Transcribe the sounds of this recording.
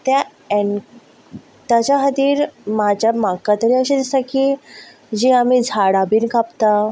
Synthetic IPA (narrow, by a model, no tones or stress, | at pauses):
t̪ja | ɛn | t̪jat͡ɕaɦət̪iːɾmad͡ʑjamakat̪əɾiəɕid̪ist̪aki | d͡ʑiamid͡zʱaɽabiːnkapt̪a